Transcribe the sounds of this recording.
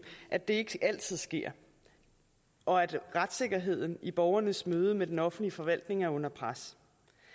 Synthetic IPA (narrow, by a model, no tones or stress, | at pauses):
ʔæd̥e̝e̝ɡ̥ʔæl̰t͡sʰið̞̰ˠsɡ̥e̝ɐ̰ | ʔɒ̽æd̥ʁad̥se̝ɡ̥ɐɦe̝ð̞̰ˠn̩ib̥ɒʊɐnəsmøːð̞ˠəmed̥enɒ̽fn̩̥liəfɒ̽ʋæl̰d̥ne̝ŋæɐɔ̽n̰ɐpʰʁas